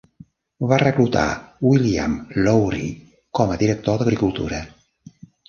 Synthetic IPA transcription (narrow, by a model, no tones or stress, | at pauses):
βarəklut̪a̰wilia̰mlɔwɾi | kɔməðiɾək̚t̪od̪əɣɾikulˠt̪ṵɾə